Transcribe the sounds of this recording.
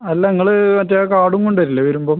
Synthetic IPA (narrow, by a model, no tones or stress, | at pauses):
ɐlːɐniŋːɐɭɨmɐtːɐjakaːɽuŋkoɳɖʋɐɾilːɐʋɐɾumboːm